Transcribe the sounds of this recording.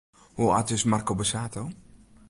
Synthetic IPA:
huatɪsmarkobəsaːto

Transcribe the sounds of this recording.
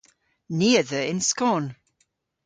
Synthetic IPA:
niəðəɹɪ̃nskɔːn

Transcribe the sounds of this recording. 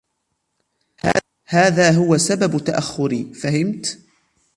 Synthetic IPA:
haːðaːɦʊwasababt̪aʔaxːʊɾiːfahɪmt̪

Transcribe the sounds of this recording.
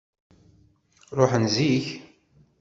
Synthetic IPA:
ɾoħənziç

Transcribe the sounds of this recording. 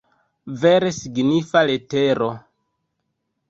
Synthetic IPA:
veɾesiɡnifaleteɾo

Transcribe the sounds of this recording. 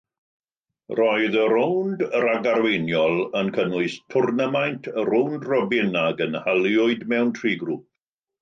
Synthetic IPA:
rɔɨðəɾowndəɾaɡaɾwejnjɔlˠənkʰənʊɨstʰʊrnəmajntʰəɾowndrɔbɪnaɡənhalˠjʊɨdmɛwntʰriːɡruːp̚

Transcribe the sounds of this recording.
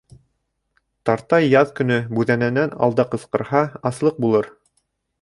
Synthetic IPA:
t̪ɑɾt̪ɑjːɑðkɵ̆nɵbʉðænænænɑ̰lˠd̪ɑqɤ̆sqɤ̆ɾhɑɑslˠɤq̚bulˠɤɾ

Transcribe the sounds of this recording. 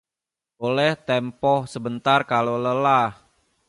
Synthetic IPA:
olɛht̪ɛmpɔhsəbənt̪arkaloləlah

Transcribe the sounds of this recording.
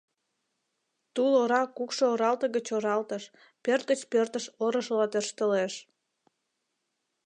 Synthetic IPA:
t̪uloɾɑkukʃooɾɑlt̪əɣət͡ɕoɾɑlt̪əʃ | pørt̪̚ɡət͡ɕpørt̪əʃoɾəʃəlɑt̪ørʃt̪əleʃ

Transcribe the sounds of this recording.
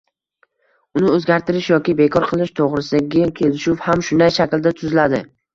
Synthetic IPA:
ʊnɪɵzɡʲaɾt̪ɪɾɪʃjɒkʲɪbe̞kʰɒɾqʰɨlˠɪʃt̪ʰoʁɾɪsɪd̪aɡʲakʲʰe̞lɪʃʊfhamʃʊnd̪ajʃakʲld̪at̪ʰʊzlad̪ɪ

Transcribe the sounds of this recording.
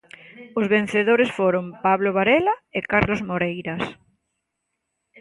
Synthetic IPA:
ʊzβen̟θeðoɾesfoɾompaβloβaɾɛlaɪkaɾlozmoɾejɾɐs

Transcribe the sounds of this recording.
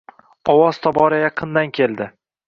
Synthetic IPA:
ɒwɒz̥t̪ʰɒbɒɾajɑqʰɨnd̪ankʲʰe̞lˠd̪ɪ

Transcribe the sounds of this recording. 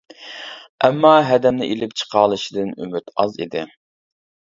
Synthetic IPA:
ɛmːɑːɦɛd̪ɛmnɪʔelɪpt͡ʃʰə̥qʰɑːlˠɨʃid̪ɨny̰myt̪ɑzḭd̪ɪ

